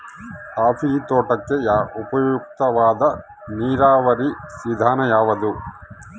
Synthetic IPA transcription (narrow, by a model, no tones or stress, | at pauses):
kaːpit̪oːʈɐkːejaːʔupɐjuk̚t̪ɐʋaːd̪ɐ | niːɾaːʋɐɾisid̪ʱaːnɐjaːʋɐd̪u